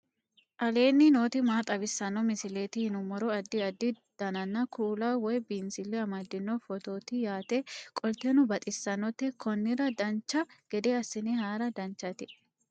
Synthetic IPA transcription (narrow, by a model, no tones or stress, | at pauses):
ʔɐle̞ːnːɪno̞ːt̪ɪmaːt̪ʼɐbɪsːɐnːɔmɪsɪleːt̪ɪhɪnʊmɔɾɔɐd̪ːɪɐd̪ːɪ | d̪̥ɐnɐnːɐkʰuːlaːwɔjbiːnsɪlːɛɐmɐd̪ːɪnːɔfɔt̪o̞ːt̪ɪjaːt̪ekʼɔlt̪enʊbɐt̪ʼɪsːɐnːɔt̪ːɛkʰɔnːɪɾɐd̪ɐnt͡ʃːɐɡ̥ɛd̪eːɐsːɪnɛɦaːɾɐd̪ɐnt͡ʃːɐt̪ɪ